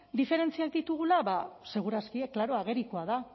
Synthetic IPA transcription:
d̪ife̞ɾe̞nt͡siak̚d̪it̪uɣ̞ulaβase̞ɣ̞uɾaskiekːlaɾo̞aɣ̞e̞ɾikoaða

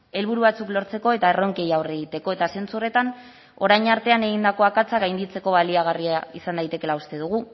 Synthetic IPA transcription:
e̞lβ̞uɾuβat͡suklo̞ɾt͡se̞ko̞e̞t̪aero̞ŋke̞jawre̞ɣit̪e̞ko̞e̞t̪ase̞nt͡sure̞t̪an | o̞ɾajɲaɾt̪e̞ane̞ɣind̪ako̞akat͡saɣajnd̪it͡se̞ko̞βaliaɣ̞ariaisand̪ajt̪e̞ke̞laust̪e̞ð̞uɣ̞u

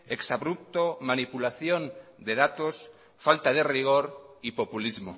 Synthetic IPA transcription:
eksaβɾup̚t̪omanipulaθjond̪eðat̪os | falt̪aðeriɣ̞oɾipopulizmo

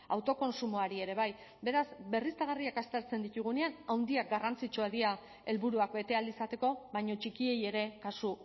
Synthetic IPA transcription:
awt̪o̞ko̞nsumoaɾie̞ɾe̞β̞aj | be̞ɾazbe̞rist̪aɣ̞ariakast̪eɾt͡send̪it̪uɣ̞une̞anawnd̪iak̚ɡarant͡sit͡ʃuaðia | e̞lβuɾuakbe̞t̪e̞ald̪isat̪e̞ko̞βajɲo̞t͡ʃikie̞je̞ɾe̞kasu

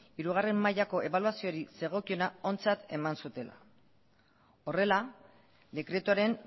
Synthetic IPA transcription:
iɾuɣ̞are̞mːajako̞ʔe̞βaluasio̞ɾise̞ɣ̞o̞kio̞nao̞nt͡sat̪e̞mansut̪e̞la̰ | o̞re̞la | d̪e̞kɾe̞t̪uaɾe̞n

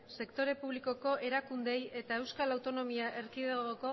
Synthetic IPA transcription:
se̞kt̪o̞ɾe̞puβliko̞ko̞ʔe̞ɾakund̪e̞je̞t̪ae̞wskalawt̪o̞no̞miaʔe̞ɾkiðeɣɣoko̞

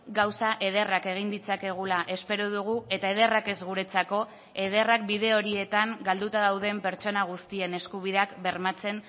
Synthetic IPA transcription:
ɡawsaʔe̞ðe̞rake̞ɣ̞ind̪it͡sake̞ɣ̞ulaʔe̞spe̞ɾoðuɣ̞ue̞t̪ae̞ð̞e̞rake̞zɣuɾe̞t͡sako̞ | e̞ðe̞rak̚biðe̞o̞ɾie̞t̪aŋɡald̪ut̪aðawðe̞mpe̞ɾt͡ʃo̞naɣ̞ust̪ie̞ne̞skuβ̞iðakbe̞ɾmat͡se̞n

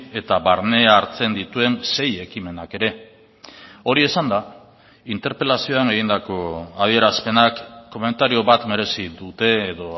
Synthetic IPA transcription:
e̞t̪aβaɾne̞aːɾt͡se̞nd̪it̪ue̞nse̞je̞kime̞nake̞ɾe̞ | o̞ɾie̞sand̪a | int̪e̞ɾpe̞lasio̞aŋe̞ɣind̪ako̞að̞ie̞ɾaspe̞nakːo̞me̞nt̪aɾio̞βat̪me̞ɾe̞siðut̪e̞ːðo̞

